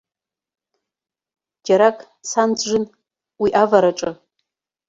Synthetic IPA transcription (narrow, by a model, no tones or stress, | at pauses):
d͡ʒaɾakʼ | sant͡sʰʼʒɨn | wiʔavaɾaʈ͡ʂʼɨ